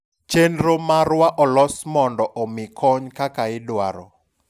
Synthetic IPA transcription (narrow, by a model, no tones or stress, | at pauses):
t͡ʃenɾomarwaʔɔlɔsmɔndɔʔɔmɪkʰɔɲkakaɪdwaɾɔ̰